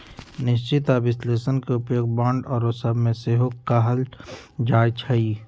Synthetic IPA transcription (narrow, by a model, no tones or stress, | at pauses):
nɪʃ̬t͡ʃɪt̪abɪsleːsənkeʊpjoːɡ̚bãːɳɖɔːɾosəbʱmẽseːɦokːaɦəl | d͡ʒaːjt͡ʃʰəi